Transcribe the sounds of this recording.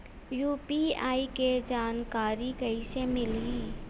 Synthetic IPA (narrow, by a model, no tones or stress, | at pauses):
juːpiaːiked͡ʒaːnkaːɾikɐisemɪliː